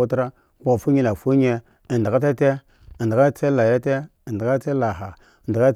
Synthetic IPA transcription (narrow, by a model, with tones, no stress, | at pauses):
u˦tɾa˦ | kʷa˨fu˦ɲi˦la˨fu˦ɲ˦e˦˨ | n˨da˨a˦te˦te˦˨ | ndi˨a˦t͡se˦la˨ja˦te˦˨ndka˦t͡se˦la˨ɦa˨ | n˨da˨ka˦